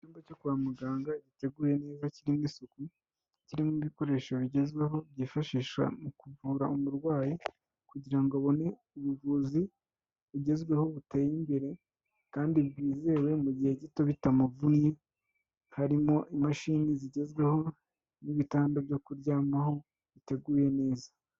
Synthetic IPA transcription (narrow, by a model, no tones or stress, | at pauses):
cuːmbaco̞kuβamuɡaːŋɡaɟite̞ɡuːje̞ne̞ːzaciɾimwiːsuku | ciɾimwiβiko̞ɾe̞ːʃoβiɟe̞zɡwe̞ɦo̞bɟiːfaʃiʃwa̰mukuvuːɾaumuɾɡwaːji | kuɟiɾaŋɡoβo̞ne̞ | uβuvuːzi | βiɟe̞zɡwe̞ho̞βuteːjimbe̞ɾe̞ | kaːndibɡiːze̞ːwe̞muɟihe̞ɟito̞βitamuvunje | haɾimo̞ʔimaʃiːniziɟe̞zɡwe̞ho̞ | niβitaːndobɟo̞kuɾɟaːmaho̞ | βite̞ɡuːje̞ne̞ːzḁ